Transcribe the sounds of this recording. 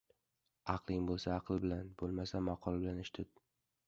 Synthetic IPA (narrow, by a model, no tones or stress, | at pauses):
ɑqlˠɪŋbolˠsaːqlˠbɪlanbolˠmasamɑqʰɒlˠabɪlanɪʃt̪ʰɪd̪̚